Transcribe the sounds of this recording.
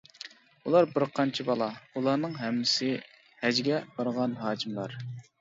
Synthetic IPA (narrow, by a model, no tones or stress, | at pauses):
ulˠɑɾbɪɾqʰɑnt͡ʃʰibɑlˠɑulˠɑɾnɨŋɦɛmːɪsɪ | hɛd͡ʒɡʲɛbɑɾʁɑnɦɑːkʰimlˠɑɾ